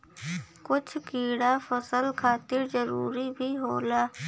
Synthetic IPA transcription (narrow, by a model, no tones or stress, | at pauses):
kʊt͡ʃʰkiːɽafəsəlkʰaːt̪ɪɾzəɾuːɾibʱiɦoːlaː